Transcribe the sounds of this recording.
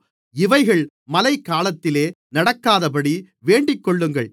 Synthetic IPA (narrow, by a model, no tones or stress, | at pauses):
ɪʋɐɪɣɐɭ | mɐlɐɪkːaːlɐt̪ːɪleː | nɐɽɐkːaːðɐpɐɽi | ʋeːɳɖɪkːɔɭːɯŋɡɐɭ